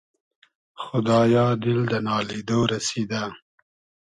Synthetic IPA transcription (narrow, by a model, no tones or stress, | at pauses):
xʊd̪ɑjɑd̪ɪld̪ənɑled̪oɾased̪a